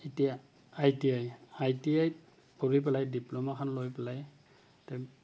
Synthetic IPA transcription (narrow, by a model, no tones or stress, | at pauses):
itijaː | jtiajajtiaj | poɹip̬ɛlajdiplɔmakʰanlojpɛlaj | tɛ